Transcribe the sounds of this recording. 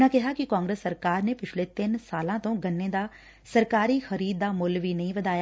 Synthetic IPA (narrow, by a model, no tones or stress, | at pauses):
ãkɛɦakikãːŋɡɾəsːɐɾkaːɾnepɪt͡ʃʰlet̪ɪnsaːlãt̪õɡɐnːẽd̪a | sɐɾkaːɾixɐɾiːd̪ːamʊlbʱinɐɦĩʋɐd̪aːja